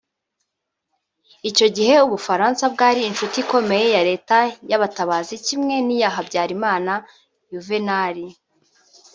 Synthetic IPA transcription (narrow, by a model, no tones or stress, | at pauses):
ico̞ɟihe̞uβufaɾaːnsab̚ɡaːɾiːnʃutiko̞me̞je̞jaɾe̞ːtajaβataβaːzicimŋe̞nijaːɦabɟaːɾimaːna | juvenaɾi